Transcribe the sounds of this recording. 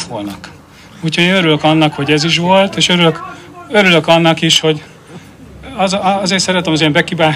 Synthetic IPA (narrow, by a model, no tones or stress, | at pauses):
tʋolnɒk | uːchoɟeːnøɾyløkɒnːɒkho̞ɟɛziʃ̬ʋo̞lt̪eːʃøɾyløk | øɾylø̞kɒnːɒkiʃho̞ɟ | ɒzɒzeːt̪sɛɾɛt̪ɛmɒzeːmbɛkibaː